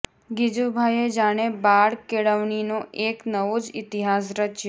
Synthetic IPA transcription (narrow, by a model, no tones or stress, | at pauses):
ɡid͡ʒubʱajed͡ʒaɽ̃ebaɽkeɽəʋɳinoʔeknəʋod͡ʒɪt̪iɦas̬ɾət͡ʃe